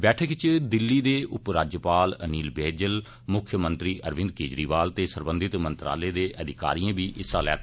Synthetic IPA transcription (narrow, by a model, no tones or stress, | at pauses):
bɛːʈʰəkt͡ʃd̪ɪlːiːd̪eːʔʊpɾaːd͡ʒjəpaːləniːlbeːd͡ʒəl | mʊkʰjəmə̃nt̪ɾiːʔəɾʋɪ̃nd̪̚keːd͡ʒɾiːʋaːlt̪eːsəɾbənd̪ɪt̪mənt̪ɾa̰ːleːd̪eːʔəd̪ʱɪka̰ːɾiːãːbiːʔɪsaːlɛ̰ːt̪ː